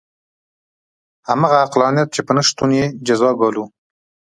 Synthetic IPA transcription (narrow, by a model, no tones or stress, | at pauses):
hamaɣaːqlɑnjat̪̚t͡ʃepənəʃt̪unjed͡ʒazɑɡɑlu